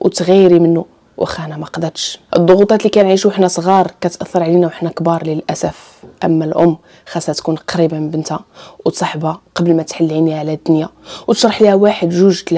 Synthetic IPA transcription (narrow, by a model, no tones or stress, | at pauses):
wt̪ɣijːɾimənːu | wʔæ̰xænæmæqd̪æt̪ʃʔə̰d̪ˤːoɣut̪ˤɑt̪likænʕiʃuəħnæsˤɣɑɾˤkæt̪ʔɑθːɑɾˤʕlinæwəħnækbɑɾˤləlʔæsæf | ʔə̰mːælʔʊ̰mː | xæsæt̪kunqɑɾibamənbənt̪hawt̪sˤɑħbaqɑbəlmæt̪ħalːʕiniʕlæd̪ːʊnjawt̪əʃɾˤɑħlihæwaħəd̪ʒuʒt̪l